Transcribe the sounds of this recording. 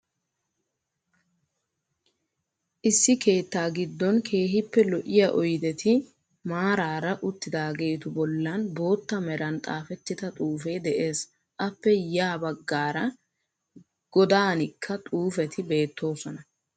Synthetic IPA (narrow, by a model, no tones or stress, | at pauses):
ʔɪsːɪke̞ːt̪ːaːɡɪd̪ːɔnkʰe̞ːɦɪpːɛlɔʔɪjaʔɔjd̪ɛt̪ɪ | maːɾaːɾɐʔʊt̪ːɪd̪aːɡe̞ːt̪ʊbɔlːɐnbo̞ːt̪ːɐmɛɾɐnt̪ʼaːfɛt̪ːɪt̪ɐt̪ʼuːfɛjd̪ɛʔe̞ːs | ʔɐpːɛjaːbɐɡːaːɾɐ | ɡ̥ɔd̪aːnɪkʰːɐt̪ʼuːfɛt̪ʰɪbe̞ːt̪ːo̞ːsɔnɐ